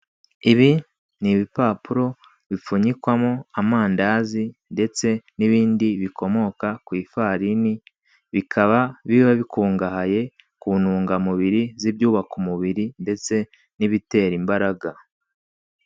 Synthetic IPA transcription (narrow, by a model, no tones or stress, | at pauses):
iβi | niβipaːpuɾo̞ | βifuɲikwamoamaːndazinde̞t͡se̞niβiːndiβiko̞mo̞kakwiːfaɾini | βikʰaβaβiβaβikuːŋɡahaje̞ | kuːnuːŋɡamuβiɾizibjuːβakumuβiɾinde̞t͡se̞ | niβite̞ːɾimbaɾaɡa